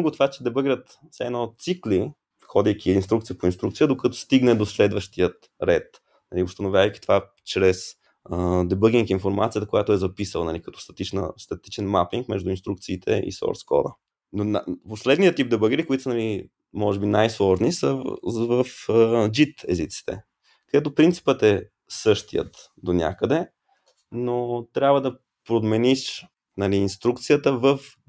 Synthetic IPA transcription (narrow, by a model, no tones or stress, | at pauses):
ɡʊt̪ovat͡ʃɛd̪ɛbəɡʲɾət̪ | sɛɛnɔt̪sikli | xɔd̪ijkʰʲiːnst̪ɾukt̪sijəpoinst̪ɾukt̪sijəd̪okət̪ɔ̥st̪iɡnɛd̪oslɛd̪vəʃt̪ijət̪ | ɾɛt̪ | nɐliost̪ɐnovjavəjkʲi̥t̪ova | t͡ʃɾɛs | əd̪ɛbəɡʲiŋkinfoɾmat̪sijət̪əkojat̪oɛzɐpisəlˠnɐlikɐt̪ɔ̥st̪ɐ̥t̪it͡ʃnə̰st̪ɐt̪it͡ʃɛnmapiŋkmɛʒd̪uinst̪ɾukt̪siːt̪ʰɛ̰ʔḭsɔ̰ɾskɔ̰d̪ə̰ | nonaposlɛd̪nijətt̪ːip̚d̪ɛbəɡiɾikoit̪osənɐli | mɔʒɛbinajslˠɔʒnisəvəfəd͡ʒit̪ɛ̰zit̪si̥t̪ɛ̰ | kəd̪ɛt̪opɾint̪si̥pət̪ɛ | sɤʃt̪ijə̰t̪ | d̪onʲa̰kəd̪ɛ | not̪ɾʲjabvəd̪ɐ | pɾod̪mɛniʃ | nɐliːnst̪ɾukt̪sijət̪əvəf